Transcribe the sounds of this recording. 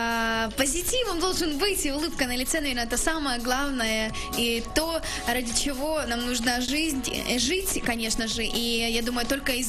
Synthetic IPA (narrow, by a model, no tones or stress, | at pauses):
pəzʲɪtʲivɨmd̪o̞lˠʐɨnbɨtʲɪʊlˠɨpkənəlʲɪt̪sɛnɐvʲe̞rnəɛt̪əsaməjəɡlˠavnəjə | it̪o̞ | radʲɪt͡ɕɪvo̞namnuʐnəʐɨzʲnʲʐɨtʲkɐnʲe̞ʂnəʐɨʔijad̪uməjʊt̪o̞lʲkəɪz